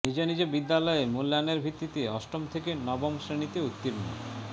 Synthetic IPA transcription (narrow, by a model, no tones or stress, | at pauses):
nid͡ʑenid͡ʑebid̪ːalɔemulːaneɾbʱit̪ːit̪eɔʃʈomt̪ʰekenɔbomsɾenit̪eut̪ːiɾno̰